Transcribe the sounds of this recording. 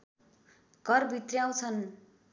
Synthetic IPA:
ɡʌrbʱit̪rjaw̃t͡sʰʌn

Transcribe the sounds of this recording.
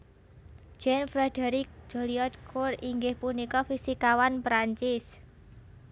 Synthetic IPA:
d͡ʒ̥ɛnfɾɛd̪̥ɛɾik̚ʒ̥o̤liɔt̪̚kʰʊriŋɡɪhpunikɔfisikawanpɾaɲt͡ʃɪs

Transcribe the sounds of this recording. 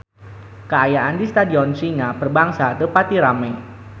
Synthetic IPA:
kəajaʔandist̪adiɔnsiŋapərbaŋsadəpat̪iɾamaj

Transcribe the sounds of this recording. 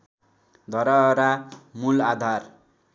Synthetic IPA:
d̪ʱʌɾʌɾamulad̪ʱar

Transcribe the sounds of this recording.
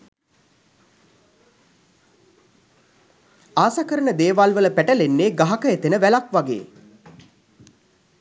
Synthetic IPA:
aːsakəɾənəd̪eːʋalʋələpæʈəlenːeːɡaɦakəet̪enəʋælakʋaɡḛː

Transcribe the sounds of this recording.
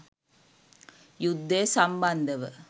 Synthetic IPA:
jud̪ʱːeːsɐmbɐnd̪ɐʋɨ

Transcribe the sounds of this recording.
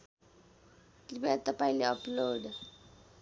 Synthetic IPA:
klipat̪ʌpaĩleʌploɖ

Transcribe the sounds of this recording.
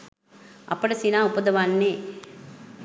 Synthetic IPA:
ɐ̰pəɽɐsinaːupɐd̪ɐʋanːeː

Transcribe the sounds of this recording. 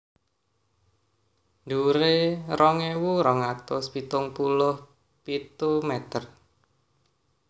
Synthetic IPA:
d̪uɾeɾɔŋewuɾɔŋat̪ʊspit̪ʊŋpulʊh | pit̪umɛt̪ər

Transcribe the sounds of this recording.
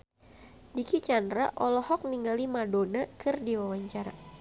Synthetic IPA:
dikit͡ʃandɾaʔɔlɔhɔk̚niŋɡalimadonakɨrdiwawaɲt͡ʃaɾa

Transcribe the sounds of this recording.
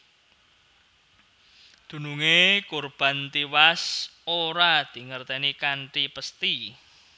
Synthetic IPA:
d̪̥ṳnuŋekurb̥ä̤nt̪iwasoɾad̪̥i̤ŋərt̪enikaɳʈipəst̪i

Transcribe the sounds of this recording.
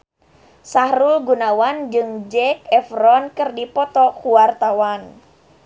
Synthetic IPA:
sahɾulɡunawand͡ʒɨŋd͡ʒɛk̚ɛfrɔnkɨrdipɔt̪ɔkuwart̪awan

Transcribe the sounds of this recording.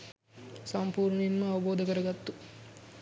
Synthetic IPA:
sɐmpuːɾɳimːɐɐʋɐboːd̪ɐkəɾɐɡat̪ːu

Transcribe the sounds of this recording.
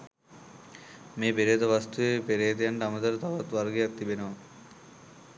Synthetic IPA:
meːpeɾeːt̪ɐʋast̪uʋepeɾeːt̪ejaɳɖəamət̪ɐɾət̪aʋat̪ʋarɡejak̚t̪ibenəʋa

